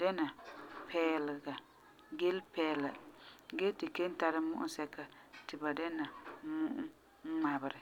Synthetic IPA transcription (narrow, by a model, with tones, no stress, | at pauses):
dɛ˦na˨pʰɛː˦lɪ˨ɡa˨ | ɡɛ˦lpɛː˦la˨ɡɛ˦tɪ˨ke˦n˦ta˨ɾɪ˦mʊ˦ʔʊ˦sɛ˦ka˨tɪ˨ba˨dɛ˦na˨mʊ˦ʔʊ˦ | ŋ͡ma˨bɪ˨ɾɪ˨